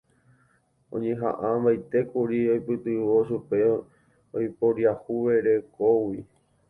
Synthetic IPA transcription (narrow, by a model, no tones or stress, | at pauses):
õ̰ɲẽɦã̰ʔãbajt̪e̞kuɾiojpɨt̪ɨʋo̞ʃupe̞ | ojpoɾjahuʋeɾekowi